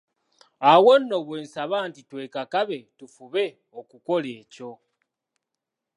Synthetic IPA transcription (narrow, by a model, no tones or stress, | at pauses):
awonːo̞βwe̞ːnsaβaːntitwe̞ːkakaβe̞tufuβe̞ | okuko̞le̞ːco̞